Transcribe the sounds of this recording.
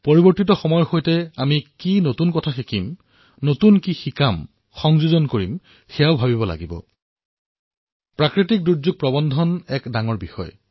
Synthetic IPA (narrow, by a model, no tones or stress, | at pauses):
poɹibɔɹtitɔxɔmɔjxojtɛamikinotunkɔtʰaxikim | notunkixikam | xɔŋzuzɔnkoɹim | xɛjaʊbʱabibɔla̰ɡibɔ̰ | pɹakɹitik̚duɹzuɡ̚pɹɔbɔndʱɔnɛkdaŋɔɹbixɔ̰j